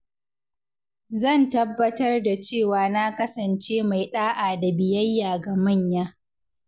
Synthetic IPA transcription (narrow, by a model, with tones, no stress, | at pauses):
zɐ˦˨ntɐ˦bːɐ˦tɐ˦rda˨t͡ʃeː˦˨waː˨naː˦kɐ˦sɐ˨nt͡ʃeː˦ma˨jɗaː˦ʔaː˨da˨bɪ˨jɐ˦jːaː˨ɡa˨mɐ˦˨ɲjaː˦